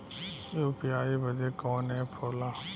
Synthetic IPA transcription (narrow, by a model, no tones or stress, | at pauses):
oːpɪjaːiːbəd͡ʒeːkɔːnɛːpʰoːlaː